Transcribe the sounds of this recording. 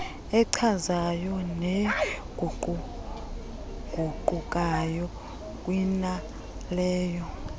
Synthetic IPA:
ɛǀʰazajɔnɛɡ̥ʱʼuǃu | ɡ̥ʱuǃukʼajɔ | kʼwina | lɛːjɔ

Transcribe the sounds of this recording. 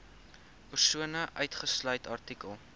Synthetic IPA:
pərsuənəʔœɥtχəslœɥtʰɐrtikəlˠ

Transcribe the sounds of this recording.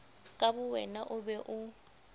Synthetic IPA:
kʼabʊwɛnaʔʊbɛʔʊ

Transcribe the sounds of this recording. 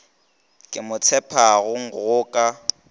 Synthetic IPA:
kʼɪmʊt͡sʰɛpʰaɣʊŋ̩ɣʊːkʼa

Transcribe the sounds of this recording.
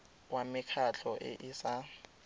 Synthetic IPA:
wamikʰat͡ɬʰɔʔɪ̰ʔisa

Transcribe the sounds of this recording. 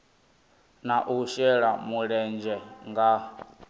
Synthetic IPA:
naʔuʃɛɺamuɺɛnd͡ʒɛŋɡa

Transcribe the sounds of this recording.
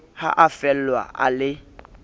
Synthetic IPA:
ha̰ʔafɛlwa̰a̰lɪ

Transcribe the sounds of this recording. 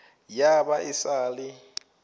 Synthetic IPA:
jabaʔɪsaːlɪ

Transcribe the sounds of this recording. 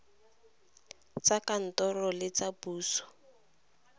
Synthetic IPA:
t͡sakan̩tɔrɔlɪt͡sabuːsɔ̥

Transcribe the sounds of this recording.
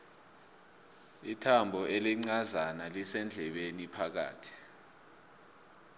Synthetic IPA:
itʰambʱɔeliŋ͡ǀazanalisɛnd͡ɮʱɛɓenipʰak̬a̰ːtʰi̥

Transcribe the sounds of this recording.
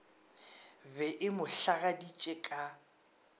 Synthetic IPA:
bɛʔɪmʊɬaɣadit͡ʃʼɛkʼa

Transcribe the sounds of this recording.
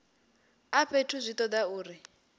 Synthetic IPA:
aɸʰetʰuzʷitɔdauːri

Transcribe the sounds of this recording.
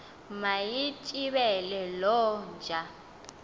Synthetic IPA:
majit͡ʃʼiβɛlɛlɔnd͡ʒʱa

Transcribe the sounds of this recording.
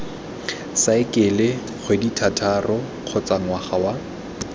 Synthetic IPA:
saɪkʼɪlɪ | χʰweditʰatʰarʔɔ | q͡χʰɔt͡sʼaŋwaχawa

